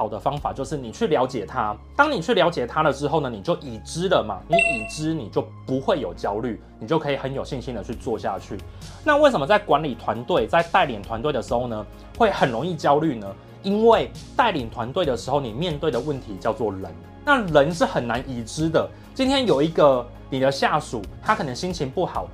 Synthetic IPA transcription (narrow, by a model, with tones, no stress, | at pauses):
xɑ˨˩ʊd̪ə˦fɑ˥ŋfa̰˨˩t͡ɕjo˥˧ʊʂɻ̩˥˩ni˨˩t͡ɕʰy˥˩ljaɑ˧˥ʊt͡ɕjɛ˨˩t̪ʰa˦t̪ɑ˥ŋni˨˩t͡ɕʰy˥˩ljɑ˧˥ʊt͡ɕjɛ˨˩t̪ʰa˦˥lə˨ʈ͡ʂɻ̩˥xo˥˩ʊnə˩ni˨˩t͡ɕjo˥˩ʊʔi˨˩ʈ͡ʂɻ̩˥lə˨ma̰˩ni˨˥ʔi˨˩ʈ͡ʂɻ̩˦ni˨˩t͡ɕjo˥˩ʊpu˨˦xwe˥˩ɪjo˨˩ʊt͡ɕjɑ˥ʊly˥˩ni˨˩t͡ɕjo˥˩ʊkʰɤ˧˥i˨˩xə˧˦njo˨˩ʊɕi˥˧nɕi˥nd̪ə˨t͡ɕʰy˥˧t͡swɔ˥˧ɕja̰˥˨t͡ɕʰy˥˩ | na˥˧we˥˩ɪʂə˨˩mə˦˧t͡sa˥˩ɪkwa˧˦nli˨˩t̪ʰwa˧˦nt̪we˥˧ɪt͡sa˥˧ɪt̪a˥˩ɪljɛ˨˩nt̪ʰwa˧˦nt̪we˥˩ɪə˩ʂɻ̩˧˦xo˥˩ʊnə˩ | xwe˥˩ɪxə˨˩nɻo˧˦ŋi˥˩t͡ɕjɑ˥ʊly˥˩nə˩ | i˦˥nwe˥˩ɪt̪a˥˩ɪliɛ˨˩nt̪ʰwa˧˦nt̪we˥˩ɪd̪ə˩ʂɻ̩˧˥xo˥˩ʊni˨˩mjɛ˥˧nt̪we˥˩ɪd̪ə˩wə˥˨nt̪ʰi˧˥t͡ɕjɑ˥˧ʊt͡swɔ˥˨lə˧˦n | na˥˨lə˧˦nʂɻ̩˥˩xə˨˩nːa˧˦nʔi˨˩ʈ͡ʂɻ̩˦d̪ə˨ | t͡ɕi˥nt̪ʰjɛ˥njo˨˩ʊi˧˥ɡə˨ | ni˨˩d̪ə˦ɕja˥˩ʂu˨˩˦t̪ʰa˥kʰɤ˨˩nə˧˦ŋɕi˥nt͡ɕʰi˧˥npu˥˩xɑ˨˩ʊ